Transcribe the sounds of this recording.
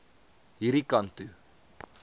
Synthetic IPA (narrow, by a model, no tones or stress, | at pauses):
iɾikant̪ɯ